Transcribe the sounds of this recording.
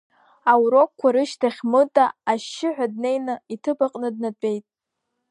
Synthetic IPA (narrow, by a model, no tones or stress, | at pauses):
awɾo̞kkʷːaɾɨʃtʰaχʲmɨtʼaːʃːɪʕʷad̚ne̞jnɨitʰɨbaqʼnɨd̚nat͡pʷʼe̞jtʼ